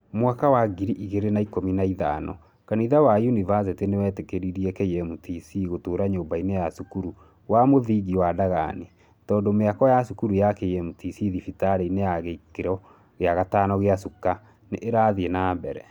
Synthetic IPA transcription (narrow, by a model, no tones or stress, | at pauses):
mwakawaɡiɾiʔiɣeɾenaikominaiða̰ːnɔ̰ | kaniðawajunivas̬ɛtenewɛːtekeɾiɾiɛkeiɛmutisiɣotoːɾaɲoːmbainejasukuɾu | wamoðiːɣiwadaɣa̰ne | tɔːndɔmeakɔjasukuɾujakeiɛmutisiðifitaɾeinejaɣeikeɾɔ | ɣeaɣataːnɔɣeasuka | neʔeɾaðienaːmbɛɾɛ